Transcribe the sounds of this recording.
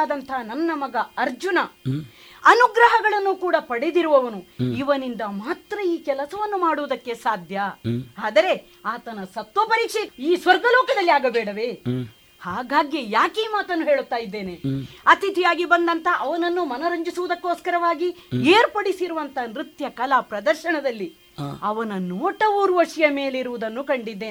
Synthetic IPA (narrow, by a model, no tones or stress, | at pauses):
d̪ɐnt̪ʰɐɦnɐnːɐmɐɡɐɐɾd͡ʒunɐ | ɐnuɡɾɐɦɐɡɐɭɐnːukuːɽɐpɐɽed̪iɾuʋɐʋɐnuiʋɐnind̪ɐmaːt̪ɾɐiːkɛlɐsɐʋɐnːumaːɽuʋud̪ɐkːe̞saːd̪ʱjɐaːd̪ɐɾe̞ | aːt̪ɐnɐsɐt̪ʋɐpɐɾiːkʂeiːsʋɐɾɡɐlɔːkɐd̪ɐlːiaːɡɐbeːɽɐʋe̞ | haːɡaːɡjejaːkiːmaːt̪ɐnːuɦeːɭut̪ːaːjid̪ːe̞ːne̞ɐt̪it̪ʰijaːɡibɐnd̪ɐnt̪ɐʔɐʋɐnɐnːumɐnɐɾɐɲd͡ʒisuʋud̪ɐkːoːskɐɾɐʋaːɡieːɾpɐɽisiɾuʋɐnt̪ʰɐnɾit̪jɐkɐlɐpɾɐd̪ɐɾʃɐɳɐd̪ɐlːi | ɐʋɐnɐnoːʈɐuːɾʋɐʂɐjɐme̞ːleiɾuʋud̪ɐnːukɐɳɖid̪ːeː